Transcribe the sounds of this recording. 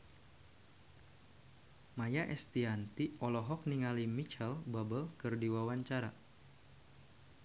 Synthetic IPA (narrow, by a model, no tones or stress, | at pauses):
majaʔɛst̪iant̪iʔɔlɔɦɔk̚niŋalimit͡ʃɛlbabəlkɨrdiwawaɲt͡ʃaɾa